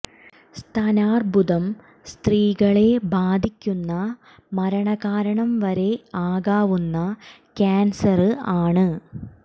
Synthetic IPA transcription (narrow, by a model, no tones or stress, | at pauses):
st̪ʰɐnaːrbʱud̪ɐm | st̪riːɣɐɭe̞bʱaːd̪ʱikʲːunːɐ | mɐɾɐɳɐɣaːɾɐɳɐmʋɐɾe̞aːɣaːʋunːɐ | kʲaːnsɐrɨaːɳɨ